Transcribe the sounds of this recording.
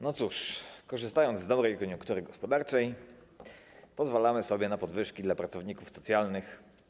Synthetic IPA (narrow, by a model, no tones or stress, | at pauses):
nɔt̪suʂkɔʐɘst̪ajɔnd̪zd̪ɔbɾɛjkɔɲjuŋkt̪uɾɘɡɔspɔd̪aɾt͡ʂɛj | pɔzvalamɘsɔbʲjɛnapɔd̪vɘʂkʲid̪lapɾat̪sɔvɲikufsɔt̪sʲjalnɘx